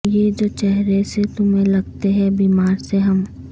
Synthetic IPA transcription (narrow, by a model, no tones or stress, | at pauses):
jed͡ʒoːt͡ʃɛɦɾeset̪ʊmɦẽlɐɡt̪eɦɛ̃biːmaːɾseɦɐm